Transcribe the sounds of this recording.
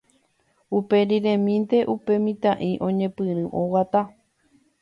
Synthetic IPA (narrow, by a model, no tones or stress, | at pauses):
upe̞ɾiɾẽmĩnt̪e̞ʔupe̞mĩt̪ãʔĩʔõ̞ɲẽ̞pɨɾɨʔõwat̪a